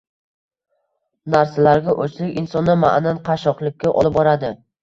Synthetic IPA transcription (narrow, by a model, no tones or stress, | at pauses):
naɾsalaɾɡʲaʔot͡ʃʰlɪkʲɪnsɒnːama̰ʔnanqʰɑʃɒqlˠɪkʲʰːaʔɒ̰lˠɪp̚bɒɾad̪ɪ